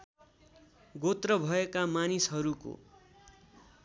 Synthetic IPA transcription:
ɡot̪rʌbʱʌekamanisɦʌɾuko̰

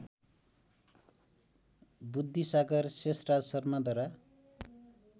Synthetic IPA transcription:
bud̪ʱːisaɡʌrsesrad͡zʌsʌrmad̪ʌɾa

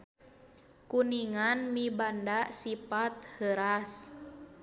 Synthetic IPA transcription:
kuniŋanmibandasipat̪̚həɾas

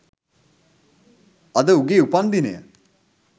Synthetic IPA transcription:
ɐd̪əuɡeupand̪inḛjə̰

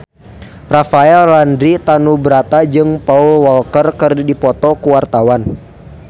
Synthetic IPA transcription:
rafaɛlːandɾit̪anubəɾat̪ad͡ʒɨŋpaulwɔlkərkərdidipɔt̪ɔkuwart̪awan

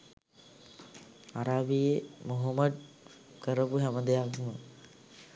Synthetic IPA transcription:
aɾaːbijemuɦɐmɐd̪̚ | kəɾəpuɦæməd̪ejakumə

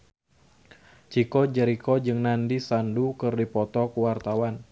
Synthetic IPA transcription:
t͡ʃikɔd͡ʒəɾikɔd͡ʒɨŋnandisandukɨrdipɔt̪ɔkuwart̪awan

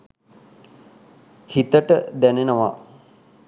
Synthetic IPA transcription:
hit̪əʈəd̪ænenəʋa̰

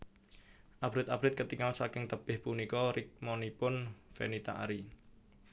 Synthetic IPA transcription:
ʔab̥ɾɪt̪abɾɪt̪̚kət̪iŋalsakɪŋt̪əpɪhpunikɔɾɪk̚mɔnipʊnfḛnit̪aʔaɾi

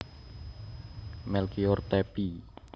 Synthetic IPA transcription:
mɛlkiort̪ɛpi

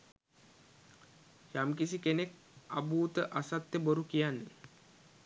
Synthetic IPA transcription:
jamkisikenek | abuːt̪əʔasat̪jəboɾukijanːə

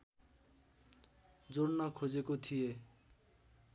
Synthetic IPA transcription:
d͡zornʌkʰod͡zekot̪ʰije

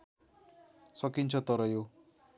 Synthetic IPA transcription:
sʌkint͡sʰʌt̪ʌɾʌjo

